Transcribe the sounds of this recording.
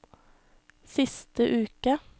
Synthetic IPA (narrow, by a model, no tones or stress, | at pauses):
sɪst̪əʔʉːkə